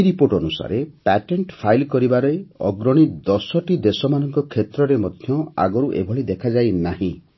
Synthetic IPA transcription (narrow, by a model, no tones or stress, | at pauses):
ɾipoɾʈɔnusa̰ɾepɛʈeɳʈpʰajlkɔɾibaɾɔjɔ̰ɡɾɔɽ̃id̪ɔsɔʈid̪esɔmanɔŋkɔkʰːet̪ɾɔɾemɔd̪ʱjɔa̰ɡɔɾuʔḛbʱɔɭid̪ekʰad͡ʒajnaɦĩ